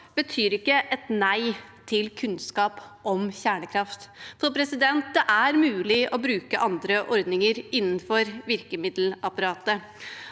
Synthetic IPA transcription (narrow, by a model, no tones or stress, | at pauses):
b̥ət̪ʰyːɾɪkːəʔɛt̪næɪt̪ʰɪlkʰʉnskɑːpɔmçæːɳəkʰɾɑft̪fʰɔpʰɾɛsɪd̪ɛnt̪̚d̪ɛʔæɾmʉːlɪʔɔbɾʉːkəʔɑnd̪ɾəʔɔɾd̪nɪŋəɾɪnːən̩fɔɾʋɪɾkəmɪd̪l̩ɑpɑɾɑːt̪ə